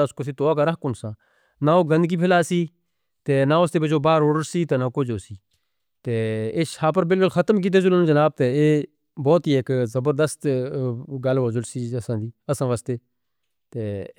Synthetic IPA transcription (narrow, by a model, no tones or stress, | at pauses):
aʊskos̬iːt̪oːaːkaɾəɦkʊnsãː | naoːkɡ̪ə̃nd̪kiːpʰɪlaːsiː | t̪eːnaʋost̪eːpet͡ʃoːbaːɾoːɽəɾsiːt̪eːnakod͡ʒoːsiː | t̪eːeʃaːpəɾbɪlkʊlxʰət̪əmk̬iːt̪̬eːzʊlonũd͡ʒɐnaːb̚t̪eːeː | bɔːt̪ɦiːeːkzəbəɾd̪əst̪ | ɡɐlʋoːzʊlsiːəsãːd̪iːəsãːʋaːst̪eː | t̪eː